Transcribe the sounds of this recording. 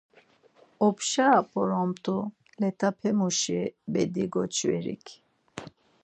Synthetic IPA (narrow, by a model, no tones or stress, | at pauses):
ɔpʃapʰʼɔɾɔmt̪ʰʼu | lɛt̪ʰapʰɛmuʃɛbɛd̪iɡɔt͡ʃʰʼvɛ̰ɾḭkʰ